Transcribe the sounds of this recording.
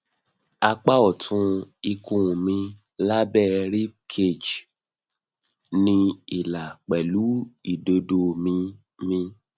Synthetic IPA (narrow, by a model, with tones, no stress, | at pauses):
a˧k͡pa˦ɔ˦˨tʰũ˧i˧kũ˧˨mĩ˧ | la˦bɛ˦˨ɾi˦kʰe˦˨d͡ʒ | nĩ˧i˨la˨k͡pɛ˨lu˨˦i˦˨do˧do˧mĩ˧ | mĩ˧